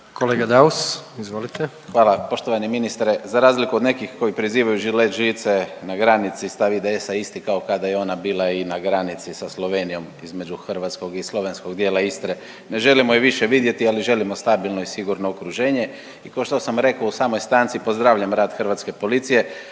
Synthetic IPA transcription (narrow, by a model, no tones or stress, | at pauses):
koleːɡad̪ausizʋolit̪ʰe | xʋaːlapo̞ʃt̪o̞ʋaniminist̪ɾezaɾaːzlikuod̪ne̞kixko̞jipɾiziːʋajuʒileʒit̪senaɡɾanit̪sist̪aʋid̪eesaist̪ikaokad̪ajeo̞nabiːlainaɡɾanit̪sisaslˠo̞ʋe̞ːnijo̞mizme̞d͡ʒuxr̩ʋat̪sko̞ɡislˠo̞ʋe̞nsko̞ɡd̪jeːlˠaist̪ɾe | ne̞ʒe̞limojiʋiʃeʋid̪je̞t̪ialiʒe̞limo̞st̪abilˠno̞isiɡuɾno̞okɾuʒeːɲe̞ | ikaoʃt̪osamɾe̞kausaːmojst̪ant̪sipo̞zd̪ɾaːʋʎamɾaːd̪xr̩ʋat̪ske̞po̞lit̪sije̞